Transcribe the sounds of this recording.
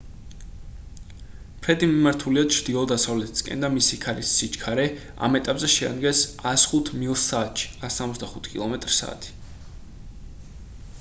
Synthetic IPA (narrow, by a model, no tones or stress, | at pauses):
pʰɾɛd̪imimaɾt̪ʰuliat͡ʃʰɾd̪iɔd̪asavlɛt̪ʰi̥skʼɛ̰nd̪amisikʰaɾisːit͡ʃkʰaɾɛ | a̰mɛt̪ʼapʼzɛʃɛa̰d̪ɡɛsasχut̪ʰmilˠsaːt̪ʃi̥asːamɔt̪zd̪aχut̪ʰkʼḭlˠɔmɛt̪ʼɾsa̰ːt̪ʰi̥